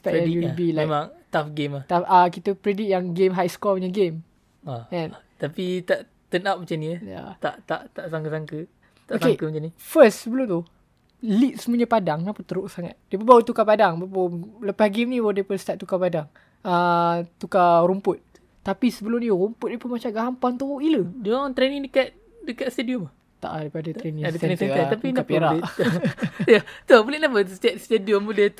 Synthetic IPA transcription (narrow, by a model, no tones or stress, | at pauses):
spɛʔɛibilaemãŋt̪afɡemaht̪afakit̪əpɾedit̪̚jaŋɡemɦajskɔɲəɡem | aɛ̃n | t̪apit̪aʔ | t̪ənap̚mat͡ʃaniəja̰t̪aʔt̪aʔt̪aʔsaŋkəsaŋkə | t̪aʔoskekəmat͡ʃanifəssəbəlʊmt̪u | lit̪̚səmuəɲapadaŋmãpət̪əɾʊʔsaŋa̰t̪̚diəpəbawut̪ukapadaŋbabaləpahɡimnĩwadiəpəst̪aʔ̪̚t̪ukapadaŋ | ət̪ukaɾumpʊt̪̚ | t̪apisəbəlʊmniɾumpʊt̪̚dipəmat͡ʃamɡaɦampant̪uuʔilədɔt̪ɾenĩŋdəkat̪̚ | dəkat̪st̪ediɔm | t̪a̰ʔadapadat̪ɾenĩŋdət̪nist̪eat̪apinapeɾae | at̪obulenapəsə̥t̪at̪st̪ediɔmbulə